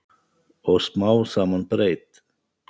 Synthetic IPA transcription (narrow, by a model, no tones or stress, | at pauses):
osmawsamənpɾejt̪